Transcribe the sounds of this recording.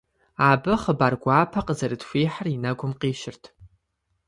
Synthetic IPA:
abɨχəbarɡʷaːpʰaqʼəzarɨdfʷiːħarinaɡʷʊmqʼiːʃɪrtʰ

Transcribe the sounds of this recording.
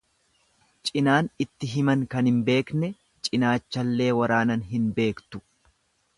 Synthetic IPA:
t͡ʃʼɪnaːnɪt̪ːɪɦɪmɐŋkɐnhɪmbe̞ːknɛ | t͡ʃʼɪnaːt͡ʃːɐlːe̞ːwɐɾaːnɐnɦɪnbe̞ːkt̪ʊ̥

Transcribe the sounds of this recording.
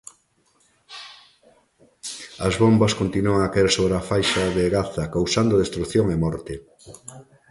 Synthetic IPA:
ɐzβombɐskont̪inuaŋakaeɾsoβɾafajʃɐðeɣaθɐkawsand̪oðest̪ɾukθjoŋemɔɾt̪ɪ

